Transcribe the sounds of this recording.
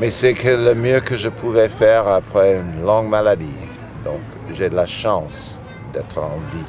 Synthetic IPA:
mɛsɛkʰələmjøkəʒəpʰuvɛfɛʁapχɛynlɔ̃ŋɡmalad̪i | d̪ɔ̃k | ʒed̪əlaʃɑ̃s | d̪ɛt̪χɑ̃vi

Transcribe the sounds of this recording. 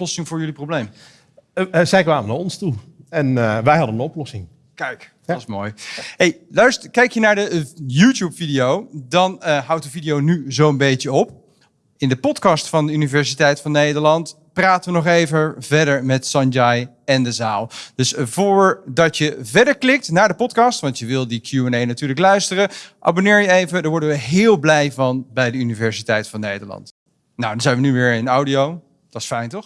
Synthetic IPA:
lɔsɪŋvʊːɹjɵliprowblejm | zɛjkʋaːməna̰ɔnstuɛnʋɛjɦɑdənənɔplɔsɪŋ | kɛjk | smo̰ːjɦejlœɥstəkɛjkjənaːɹdəjuːtjupfidijowdɑnɦʌwt̚dəvidijownyzowənbejtəɔp̚ | ɪndəpɔtkɑstfɑndəynivɛɹsitɛjtfɑnːejdəɹlɑnt | praːtəʋənɔχejvəvɛdəɹmɛtsɑnd͡ʒɑj | ɛndəzaːlˠdɵsvʊːɹdɑtjəvɛɹdəɹklɪk̚tnaːɹdəpɔtkɑstʋɑntjəʋɪlˠdəkʰjuɛnejnatyːɹləklœɥstərəʔa̰ːbonɪːɹjəejvədaːɹʋɔɹdənʋəɦɪːlˠblɛjvɑnbɛjdəynivɛɹsitɛjtfɑnːejdəɹlɑ̰nt | nawdɑnzɛjnʋənyʋɪːɹɪnawdiow | d̥ɑtɪsfɛjntɔχ

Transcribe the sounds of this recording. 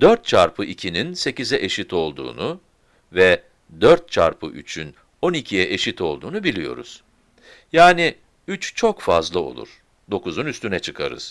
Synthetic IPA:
d̪̥øɾt̪̚t͡ʃʰaɾpʰɯʔicʰininse̞cizɛʔe̞ʃit̪ʰo̞lˠd̪ṵːnu | vɛ | d̪øɾt̪̚t͡ʃʰa̰ɾpʰɯ̰ʔy̰t͡ʃʰyn | o̞nicʰijɛʔeʃit̪ʰo̞lˠd̪uːnubilʲijo̞̰ɾṵz̥ | jaːni | yt͡ʃt͡ʃʰo̞kfazlˠao̞̰lˠṵɾ̥ | d̪o̞kuzunyst̪ynɛt͡ʃʰɯkʰa̰ɾɯ̰z̥

